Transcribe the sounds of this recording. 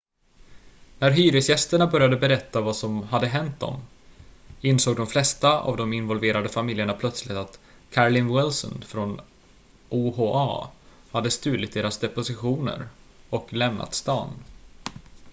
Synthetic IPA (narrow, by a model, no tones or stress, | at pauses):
næɾɦyːɾɪsjɛst̪əɳabœɾjad̪əbɛɾɛt̪ːavasɔmɦad̪ːəɦɛnt̪̚d̪ɔ̰m | ɪnsoːɡ̚d̪ɔmflɛst̪aa̰vd̪ɔmɪnvɔlveːɾad̪əfamɪljəɳapʰlœt̪slɪt̪at̪ | kʰaɾlɪnwɪlsɔ̰nfɾɔn | ʔuːhoːʔɑ̰ | had̪ːəst̪ʉ̟ːlɪt̪̚d̪eːɾasd̪ɛpʊsɪɧuːnə̰ɾ | ɔklɛmna̰t̪st̪ɑ̰ːn